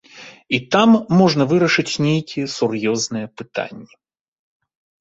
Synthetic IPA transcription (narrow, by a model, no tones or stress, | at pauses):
it̪amːɔʐnɐvɨɾɐʂɨt͡sʲnʲejkʲijɛsʊrjɔznɨjɛpɨt̪a̰nʲːɛ